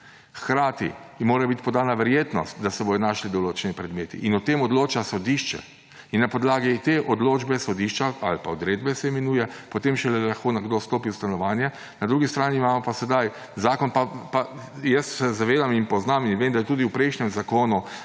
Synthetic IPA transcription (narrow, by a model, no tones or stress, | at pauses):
xkɾaːt̪ḭmoːɾɛbit̪i̥pɔd̪aːnaʋɛɾjeːt̪nɔ̰st̪d̪asɛbod̪ɔnaːʃlid̪ɔloːt͡ʃɛnipɾɛd̪meːt̪ḭʔinɔt̪eːmɔd̪loːt͡ʃasɔd̪iʃt͡ʃɛ̰ | inːapɔd̪laːɡit̪eʔɔd̪loːd͡ʒbɛsɔd̪iːʃt͡ʃaalpaɔd̪ɾeːd̪̚bɛsɛmɛnuːjɛpot̪eːmʃɛlɛlaxkoːnɛɡd̪ost̪oːpiust̪anɔʋaːnjɛ | nad̪ɾuːɡist̪ɾaːniːmaːmɔpasɛd̪aj | zaːkɔnpapajɛssɛzaʋeːd̪aminpɔznaminʋeːmd̪ajɛt̪uːd̪iwpɾɛjʃnʲɛmzakoːnu